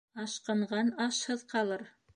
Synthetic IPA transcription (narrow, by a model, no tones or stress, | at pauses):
ɑʃqɤ̆ɴʁɑnɑʃhɤðqʰɑlˠɤɾ